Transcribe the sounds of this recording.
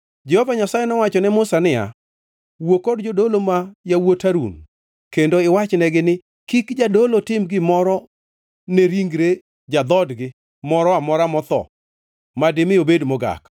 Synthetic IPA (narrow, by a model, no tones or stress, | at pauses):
d͡ʒɛhovaɲasajɛnɔwat͡ʃɔnɛmʊsanɪa̰ | wokodd͡ʒodolomajawotaɾṵn | kendoɪwat͡ʃnɛɡɪnɪ | kikd͡ʒadolotɪmɡɪmɔɾɔ | nɛɾiŋɡɾe | d͡ʒad̪ɔdɡɪ | mɔɾɔamɔɾamɔt̪ɔ̰ | madɪmɪobedmɔɡa̰k